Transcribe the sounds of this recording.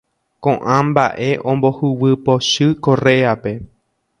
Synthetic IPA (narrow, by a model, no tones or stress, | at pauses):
kõʔãmba̰ʔe̞ʔõ̞mbo̞huwɨpo̞ʃɨko̞reape̞